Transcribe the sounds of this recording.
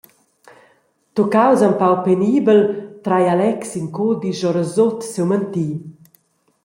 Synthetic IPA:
t̪ukawzampawpeniːbəlt̪ɾajalɛksiŋkod̪iʒɔɾəzot̪sewmənt̪i

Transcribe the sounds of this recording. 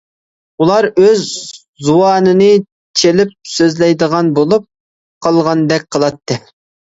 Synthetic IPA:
ulˠɑɾøzː | uɑːnɨnɨ | t͡ʃʰelɪp̚søzlɛjd̪əʁɑnbolˠup̚ | qʰɑlˠʁɑnd̪ɛk̚ʲqʰəlˠɑt̪ʰːɨ

